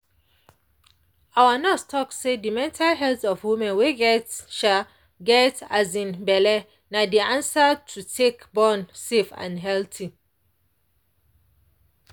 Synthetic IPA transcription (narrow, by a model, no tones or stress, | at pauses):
awanɛstʰɔksedimɛ̃ntʰalɦɛltɔfwimɛ̃nweɡɛtʃa | ɡɛtazĩnbɛlɛ | nadiãnsatʰutʰekbɔ̃nsefã̰nɦɛltʰi